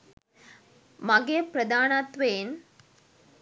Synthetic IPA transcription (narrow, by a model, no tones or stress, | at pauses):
mɐɡepɾɐd̪aːnaːt̪ʋeːn